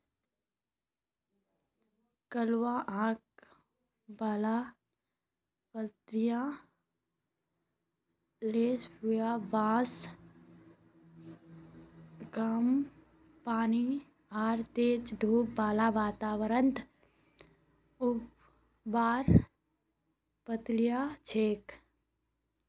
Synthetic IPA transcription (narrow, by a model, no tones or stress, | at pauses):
kəlwãːʔãːk | baːla | pəlt̪ɾijã | leːsʊjabãːs | kam | paːni | aːɾt̪eːt͡ʃd̪ʱuːpbaːlaːʋaːt̪aːʋɾənt̪ | ʊp | baːɾ | pət̪lijaːt͡ʃʰeːk